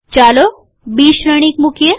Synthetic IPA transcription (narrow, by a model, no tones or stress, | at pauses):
t͡ɕalo | biːɕɾəɽ̃ikmukʰjə